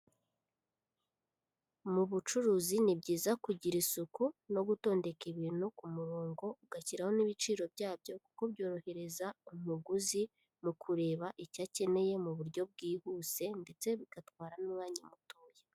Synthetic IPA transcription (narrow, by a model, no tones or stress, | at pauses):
muβut͡ʃuɾuːzinibɟiːzakuɟiɾisukuno̞ɡuto̞ːnde̞kiβiːn̥hukumuɾoːŋɡo̞uɡaciɾaho̞niβit͡ʃiːɾo̞bɟaːbɟo̞ku̥ko̞bjo̞ːɾo̞he̞ɾe̞zaum̥uɡuzi | mukʰuɾe̞ːβaʔicace̞ne̞je̞muβuɾɟo̞b̚ɡiːhuːse̞nde̞t͡se̞βikatkwaːɾanumŋaːɲimutuːje